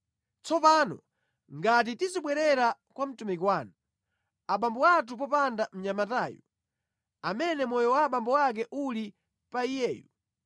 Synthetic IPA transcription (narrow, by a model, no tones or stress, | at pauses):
t͡sɔpanɔ̰ | ŋɡat̬itiziɓwɛɾɛɾakwam̩tumikwaːnu | aɓambɔwat̬up̬ɔpandam̩ɲamataːjɔ | amɛnɛmɔjɔwaɓambɔwak̬ɛʔuli | paijɛːju